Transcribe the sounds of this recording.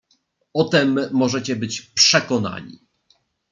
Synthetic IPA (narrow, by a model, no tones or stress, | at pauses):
ɔt̪ɛmːɔʐɛt͡ɕɛbɘt͡ɕpʂɛkɔna̰ɲḭ